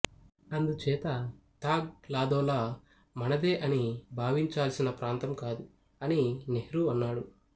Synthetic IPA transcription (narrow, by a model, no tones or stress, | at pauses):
ɐnd̪ut͡ʃɛːt̪ɐt̪aːɡ̚laːd̪ɔːlaː | mɐnɐd̪eːʔɐnibʱaːʋiɲt͡ʃaːlsinɐpɾaːnt̪ɐmkaːd̪u | ɐninehɾuɐnːaːɽu